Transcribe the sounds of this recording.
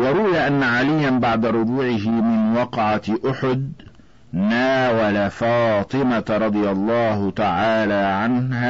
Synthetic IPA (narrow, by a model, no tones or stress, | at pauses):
wɑɾˤʊwɪjaʔanːaʕalɪjːanbaʕd̪aɾˤʊbuːʕɪɦɪmɪnwɑqʕaʔʊħʊd̪̚ | naːwalafɑːt̪ˤɨmaɾˤɑd̪ˤɨjalˤːɑːhʊt̪aʕaːlaːʕanhaː